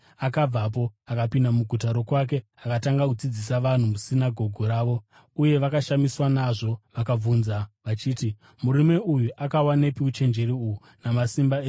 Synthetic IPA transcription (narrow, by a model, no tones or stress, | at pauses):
akab͡vap̬o̞akapindamuɡʱutaɾo̞kwak̬e̞ | akataŋɡakud͡zid͡zisaʋan̤umusinaɡʱo̞ɡʱoɾaːʋo̞ | uje̞ʋakaʃamiswanaʐo̞ʋakauːnzaʋat͡ʃiːti | muɾime̞ujuʔakawanepiut͡ʃe̞nd͡ʒe̞ɾiuu | namasimbaeː